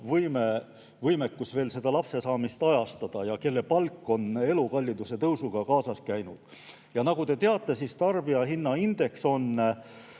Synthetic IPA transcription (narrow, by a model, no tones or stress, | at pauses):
vɤjme | vɤjmekːusve̞ːlse̞d̪ɑlɑpse̞sɑːmist̪ɑjɑst̪ɑd̪̥ɑjɑke̞lːe̞pɑlkːˑo̞ne̞lukɑlʲːid̪̥use̞t̪ɤwsuɡ̥ɑkɑːsɑskæjnud̪̥ | jɑnɑɡ̥ut̪e̞t̪eɑt̪ːˑe̞sist̪ɑrb̥iɑɦinːɑind̪̥e̞kso̞n